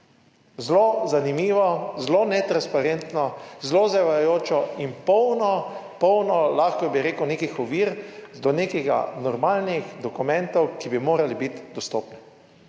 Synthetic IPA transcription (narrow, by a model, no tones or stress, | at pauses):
zlozanimiːʋɔzlonɛt̪ɾanspaɾent̪nɔzlozɛʋajoːt͡ʃɔimpɔwnɔpɔwnɔlaːxkɔbiɾeːkuwnekixɔʋiːɾd̪ɔneːkɛɡa̰nɔɾmaːlnixd̪ɔkumɛ̃nt̪ɔwkibimoːɾalibit̪d̪ɔst̪oːpnɛ